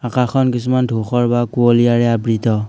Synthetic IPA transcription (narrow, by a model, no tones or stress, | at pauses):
akaxʰɔnkisumandʱoxɔɹbakuɔlijaɹɛabɹitɔ